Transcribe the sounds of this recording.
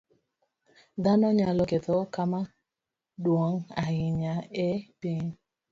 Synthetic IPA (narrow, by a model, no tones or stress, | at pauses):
danɔɲalɔkɛtɔkama | dwɔŋajɪɲaɛpiɲ